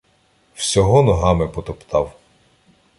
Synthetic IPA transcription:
wsʲɔɦɔnɔɦɑmɪpɔt̪ɔpt̪ɑw

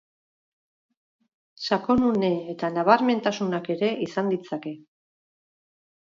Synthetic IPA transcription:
sako̞nune̞et̪anaβ̞aɾme̞nt̪asunake̞ɾe̞isand̪it͡sake̞

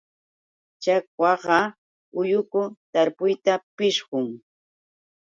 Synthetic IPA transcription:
t͡ʃakwɑɢɑ | ʊjʊkʊt̪aɾpʊjt̪apɪʃɢʊŋ

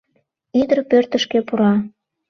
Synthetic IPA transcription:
id̪ərpørt̪ə̆ʃkepuɾɑ

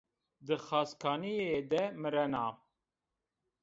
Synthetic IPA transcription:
d̪ɨxɑːskʰɑːnijed̪ɛmɨɾɛnɑː

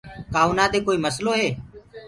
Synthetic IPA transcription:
kaːuːnaːd̪eːkoːiːməsloːɦeː

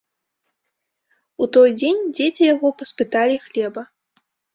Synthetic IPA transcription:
ut̪ɔjd͡zʲenʲd͡zʲet͡sʲijaɣɔpɐspɨt̪alʲixlʲɛbɐ

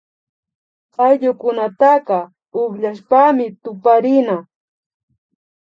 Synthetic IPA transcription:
qɑjʎʊkʊnat̪aqɑ | ʊχʎaʃpamɪt̪ʊpaɾɪna

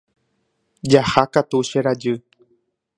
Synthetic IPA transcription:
d͡ʒahakat̪uʃeɾad͡ʒɨ

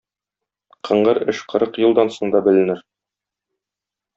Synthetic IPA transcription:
qɤ̆ɴɢɤɾɘʃqɤ̆ɾɤqjɤ̆lˠd̪ɑnsoɴd̪ɑbɘ̆lɘ̆nɘɾ

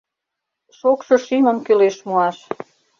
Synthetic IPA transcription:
ʃokʃɤ̆ʃiməmkøleʃmuɑʃ

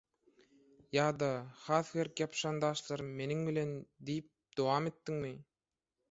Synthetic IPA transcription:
jɑːd̪ɑhɑːθxeɾkjɑpʃɑnd̪ɑːʃlˠɑɾɯmme̞niŋbilʲe̞nd̪ijp̚d̪̥owɑːme̞t̪ːiŋmi

